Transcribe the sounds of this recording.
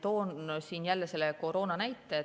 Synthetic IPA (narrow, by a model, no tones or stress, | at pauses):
t̪o̞ːnsiːnjælːese̞lːeko̞ɾo̞ːnɑnæjt̪ːˑe